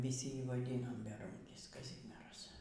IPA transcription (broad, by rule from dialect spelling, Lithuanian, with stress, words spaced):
ʋʲɪˈsʲɪ ˈjiː ʋɐˈdʲiːnoːm bʲɛˈruːŋʲkʲɪs kɐˈzʲɪmʲiɛrɐs